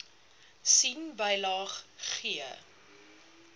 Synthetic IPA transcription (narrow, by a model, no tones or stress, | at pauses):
sinbəjlɑːχχiə̰